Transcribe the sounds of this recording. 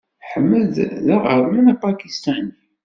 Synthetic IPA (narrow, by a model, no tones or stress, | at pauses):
ħəmːəððæʁəɾlænæpɑkist̪æni